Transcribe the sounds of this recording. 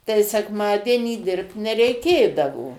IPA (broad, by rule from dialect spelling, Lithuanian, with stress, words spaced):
tɐɪ sʲɛˈkmɑːdʲiɛnʲiː ˈdʲɪrpt nʲɛrʲɛɪˈkʲeːdɐʋoː